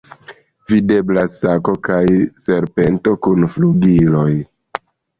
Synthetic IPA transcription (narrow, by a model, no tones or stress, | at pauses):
vide̞blasako̞kajse̞ɾpe̞nto̞kunfluɡilo̞j